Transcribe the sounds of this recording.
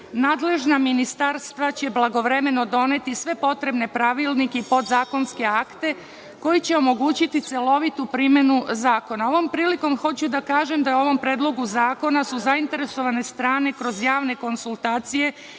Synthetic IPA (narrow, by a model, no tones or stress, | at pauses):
naːd̪le̞ʒnaminist̪aɾst̪ʋat͡ɕe̞blˠaɡo̞ʋɾe̞me̞no̞d̪o̞ne̞t̪isʋe̞po̞t̪ɾe̞bne̞pɾaʋilˠnikeipo̞d̪zaːko̞nske̞akt̪e̞ | ko̞jit͡ɕe̞o̞mo̞ɡuːt͡ɕit̪it̪se̞lo̞ʋit̪upɾime̞nuzaːko̞nao̞ʋo̞mpɾiːliko̞mxo̞t͡ɕud̪akaːʒe̞md̪ajo̞ʋo̞mpɾe̞ːd̪lˠo̞ɡuzaːko̞nasuzaint̪e̞ɾe̞so̞ʋane̞st̪ɾaːne̞kɾo̞zjaːʋne̞ko̞nsulˠt̪aːt̪sije̞